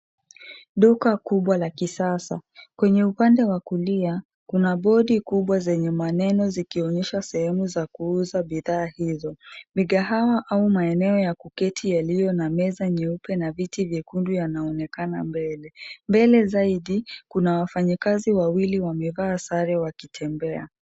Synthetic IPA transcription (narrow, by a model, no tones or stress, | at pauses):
ɗukakuɓwalakisasakwɛɲɛupandɛwakulia | kunaɓɔɗikuɓwazɛɲɛmanɛnɔzikiɔɲɛʃasɛhɛmuzakuuzaɓiðaːhizɔmiɠaɦawaʔaumaɛnɛɔjakukɛtʰijalijɔnamɛzaɲɛupɛnavitivjɛkundujanaɔnɛkanambɛlɛmbɛlɛzaiɗikunawafaɲikaziwawiliwamɛvaːsaɾɛwakitʰɛmbɛa̰